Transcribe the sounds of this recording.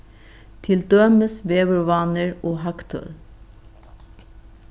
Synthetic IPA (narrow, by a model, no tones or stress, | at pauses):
t̪ʰɪld̪œməsʋeːʋəɹʋɑnəɹoːhɑkt̪ʰœ̰l